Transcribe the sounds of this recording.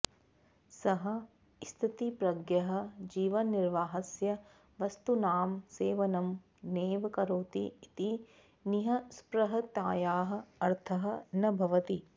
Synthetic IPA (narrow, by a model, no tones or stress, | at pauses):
sɐɦɐ̆ | st̪ʰit̪ipɾɐɡjɐɦɐ̆d͡ʒiːʋɐnːiɾʋaːɦɐsjɐ | ʋɐst̪unaːmseːʋɐnɐm | neːʋɐkɐɾoːt̪ḭit̪i | niɦɐspɾɐɦɐt̪jaːjaːɦɐ̆ɐɾt̪ʰɐɦɐ̆nɐbʱɐʋɐt̪i